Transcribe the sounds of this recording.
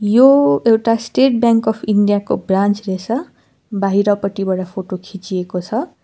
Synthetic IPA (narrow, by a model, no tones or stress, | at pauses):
joewʈasʈeʈbjaŋkʌpʰiɳɖijakobrãnt͡sresʰʌ | baɦiɾʌpʌʈibaɽapʰoʈokʰit͡siekot͡sʰʌ